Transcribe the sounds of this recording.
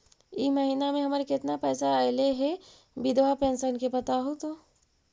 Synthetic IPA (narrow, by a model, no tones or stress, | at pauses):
iməɦiːnamẽɦɐmɾekɪt̪napɛːsaaɪleɦɛ | bɪd̪ʋapẽːnsənkepɐt̪aɦot̪oː